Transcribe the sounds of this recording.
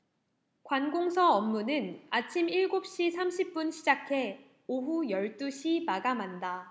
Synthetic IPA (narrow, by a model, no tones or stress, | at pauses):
kwanɡoŋsʰʌʌmːunɯnat͡ɕʰimiɭɡop̚ɕ͈isʰamɕʰip̚p͈unɕʰid͡ʑakʰe̞ | oɦujʌɭt͈uɕʰimaɡamanda